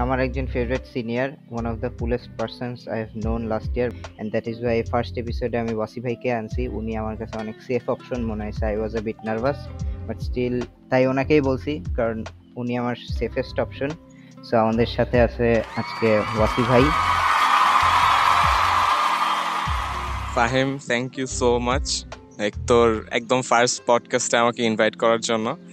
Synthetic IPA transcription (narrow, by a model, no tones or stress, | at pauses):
amaɾɛk̚d͡ʑonfebɾeʈsiniaɾwanɔfd̪əpulesʈ̚paɾsonsajɛvnõnlasʈiaɾɛ̃ɳɖd̪ɛʈizwajfaɾsʈepisoɖeamiwasibʱajkeant͡ɕʰiʔuniamaɾkat͡ɕʰeɔneksefʰɔpʃonmoneɦɔjt͡ɕʰeajwɔzebiʈnaɾbasbaʈsʈil | t̪ajonakejbolt͡ɕʰikaɾon | uniamaɾsefʰesʈɔpʃon | soamad̪eɾʃat̪ʰeat͡ɕʰead͡ʑkewasibʱaj | faɦimt̪ʰɛŋkjusomat͡ɕ | ek̚t̪oɾɛ̰k̚d̪omfaɾspɔɖkasʈeamakeinvajʈkɔɾaɾd͡ʑonːo